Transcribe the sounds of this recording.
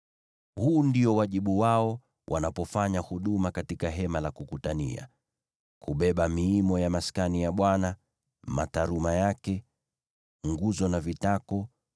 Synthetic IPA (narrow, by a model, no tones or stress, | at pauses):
huːndiɔwaʄiɓuwaɔ | wʔa̰napɔfaɲahuɗumakatikaɦɛmalakukutanḭa̰ | kʰuɓɛɓamiːmɔjamaskanijaɓwana | ma̰taɾumajakɛ | ŋɡuzɔnavitakɔ